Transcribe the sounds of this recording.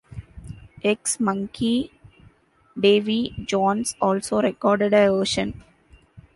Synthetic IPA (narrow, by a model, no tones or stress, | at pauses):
eksmʌ̃ŋkʰi | ɖeːʋid͡ʒɔ̃ːnsɔːlsoːɾekɔːɾɖeɖəʋəːʃə̃n